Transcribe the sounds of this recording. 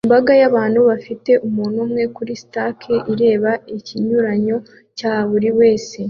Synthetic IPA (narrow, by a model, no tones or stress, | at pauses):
imbaɡajaβaːnhuβafite̞ʔumuːn̤umŋe̞kuɾisi̥takʰeʔiɾe̞ːβaiciɲuɾaɲo̞ | caːβuɾiwe̞ːse̞